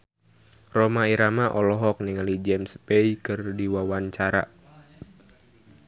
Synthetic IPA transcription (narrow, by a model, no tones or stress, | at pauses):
rɔmaiɾamaʔɔlɔɦɔk̚nɪŋalid͡ʒɛmspeikɨrdiwawaɲt͡ʃaɾa̰